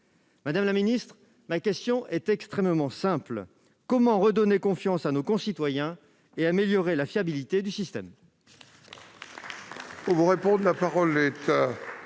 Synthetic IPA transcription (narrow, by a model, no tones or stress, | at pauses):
mad̪amlaminist̪χ | makʲɛst̪jɔ̃ʔɛt̪ɛkst̪χɛmmɑ̃sɛ̃pl | kɔmɑ̃ʁəd̪ɔnekɔ̃fjɑ̃sanokɔ̃sit̪wajɛ̃ | eameljɔʁelafjabilit̪ed̪ysist̪ɛ̰m | uvuʁepɔ̃d̪lapaʁɔlet̪a